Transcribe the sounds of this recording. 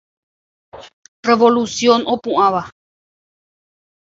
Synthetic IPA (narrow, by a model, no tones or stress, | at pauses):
reʋolusjonopũʔãʋa